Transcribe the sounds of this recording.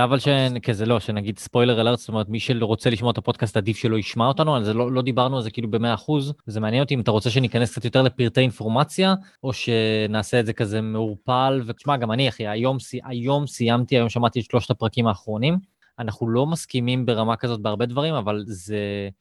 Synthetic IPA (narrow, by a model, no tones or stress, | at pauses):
avalʃekezelo̞ʃenaɡidspo̞jle̞ʁelatso̥tome̞ʁet̪miʃeʁo̞t͡se̞liʃmot̪apo̞d̪̚kastad̪ifʃe̞lo̞iʃmao̞t̪anualzelo̞lo̞d̪ibaʁnualzekiilube̞me̞aːχuzzemeanjeno̞t̪iːmat̪aʁo̞t͡seʃ̬e̞nikaneskt͡satjot̪e̞ʁle̞piʁt̪einfo̞ʁmat͡sja | oʃe̞naːse̞ːdze̞kaze̞meuʁpalveʃmaɡamaniaχiajo̞msiʔajo̞msijamt̪iajo̞mʃamaʁt̪it̪ʃlo̞ʃt̪apʁakimaːχʁo̞nim | anaχnulo̞maskimimbe̞ʁamakazo̞t̪̚beaʁbe̞d̪vaʁimavalze